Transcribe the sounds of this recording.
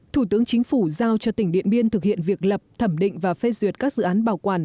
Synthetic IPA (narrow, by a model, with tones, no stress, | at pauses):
t̪ʰu˧˩t̪ɨ˨˦əŋt͡ɕï˨˦ŋ̟fu˧˩zaː˧wt͡ɕɔ˧t̪ï˧˩ŋɗḭ˧˨ənɓi˧ənt̪ʰɨ˨˩k̚hḭ˧˨ənvi˨˩ək̚lə˨˩p̚t̪ʰə˧˩mɗḭ̈˧˨ŋ̟vaː˨˩fe˧zwi˨˩ət̚kaː˦˥k̚zɨ̰˧˨ʔaː˨˦nɓaː˨˩wkwaː˨˩n